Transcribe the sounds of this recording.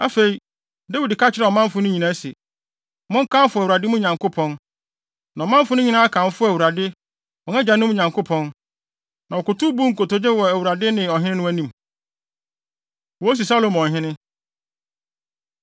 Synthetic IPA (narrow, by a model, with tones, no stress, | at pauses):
a˦fe˨i˨ | da˦wi˨dkʰa˦t͡ɕʰɪ˦ɾɛ˨ɔ˨mã˦m˦fʊ˦nʊ̃˦ɲĩ˨nã˦sɛ˨ | mʊ̃˦ŋ̩˦kʰã˦m˦fʊ˨æ˨wu˨ɾa˨dɪ˦mʊ̃˦ɲã˨ŋkʰo˦pʰɔ̃˦n | nã˨ɔ˨mã˦m˦fʊ˦nʊ̃˦ɲĩ˨nã˦a˦kʰã˨m˦fʊ˦æ˨wu˨ɾa˨dɪ˦ | ɔ˨nɛ˦d͡ʑa˨nʊ̃˦m˦˨ɲã˨ŋkʰo˦pʰɔ̃˦n | nã˨ɔ˨kʊ˨tʊ˦bu˦ŋ̩˨ko˨to˨d͡ʑɪ˦wɔ˨æ˨wu˨ɾa˨dɪ˦nɪ̃˨ɔ˨ɦɪ̃˦nɪ̃˦nʊ̃˦æ˦nĩ˦˨m | wɔ˨˦s̬i˨sa˦lo˨m˨ɔ̃˨ɦɪ̃˦nɪ̃˦